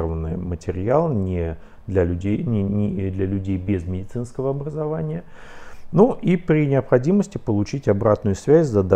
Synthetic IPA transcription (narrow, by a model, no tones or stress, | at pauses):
vənːɨjəmətʲɪɾʲɪjalˠnʲɪ | d̪lʲalʲʉdʲejnʲɪnʲɪd̪lʲɐlʲʉdʲejbʲɪzmʲɪdʲɪt̪sɨnskəvəɐbɾəzɐvanʲɪjə | nuʔipɾʲɪnʲɪəpxɐdʲiməsʲtʲɪpəlˠʊt͡ɕitʲɐbɾat̪nʊjʊsvʲæzʲzɐd̪a